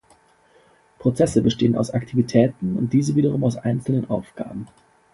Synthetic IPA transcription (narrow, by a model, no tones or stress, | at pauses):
pʁ̥ot͡sɛsəbəʃteːənaʊsaktʰivitʰɛːtn̩ʊ̰nt̚d̥iːzəviːɾəʁ̞ʊmaʊsʔaɪnt͡sl̩nənʔaʊfɡ̥a̰ːbm̩